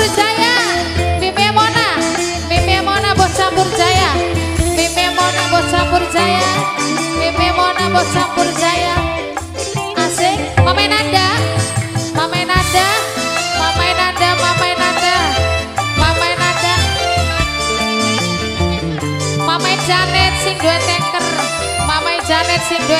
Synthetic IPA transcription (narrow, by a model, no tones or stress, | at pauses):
rd͡ʒajamimemɔna | mimemɔnabɔsampʊrd͡ʒaja | mememɔnabɔsapʊrd͡ʒaja | mememɔnabɔsampʊrd͡ʒaja | ase | mamajnaɖa | mamajnadamamainadamamainada | mamajnada | mamaid͡ʒanɛt̪̚sɪŋdoɛt̪ɛŋkər | mamaid͡ʒanɛt̪̚sɪŋdoɛ